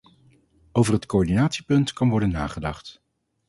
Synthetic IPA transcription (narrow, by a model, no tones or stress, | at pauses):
owvərɦətkoɔɹdinaːtsipɵntkɑnʋɔɹdənːa̰ːχədɑχt